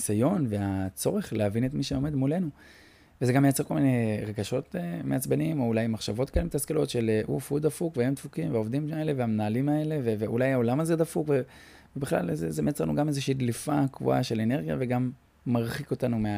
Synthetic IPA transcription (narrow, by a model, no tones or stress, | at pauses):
sajo̞nveat͡so̞ʁe̞χlehavinetmiʃeo̞me̞d̪mule̞nu | vezeɡamjejat͡seko̞lmineʁeɡaʃo̞temeat͡sbanimoulajmaχʃavo̞tkalimt̪askelo̞tʃe̞lʔṵfud̪afukvehemd̪fukimveaovd̪imaele̞veamenaːlimae̞le̞veveṵlajao̞lamaze̞d̪afukve | vebiχla̰lzezemet͡sʁa̰nuɡame̞zeʃiːd̪lifakvṵa̰ʃe̞le̞ne̞ʁɡija̰veɡamː | aʁχiko̞tanumea